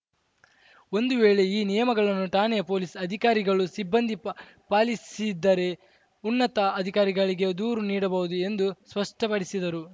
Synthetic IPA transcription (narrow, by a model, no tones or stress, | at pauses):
o̞nd̪uʋeːɭe̞iːnijɐmɐɡɐɭɐnːuʈaːnɛjɐpo̞ːlisɐd̪ʱikaːɾiɡɐɭusibːɐnd̪ʱi | paːlisid̪ːɐɾe̞ | unːɐt̪ɐːd̪ʱikaːɾiɡɐɭiɡe̞d̪uːɾuniːɽɐbɐɦud̪ue̞nd̪uspɐʂʈɐpɐɽisid̪ɐɾu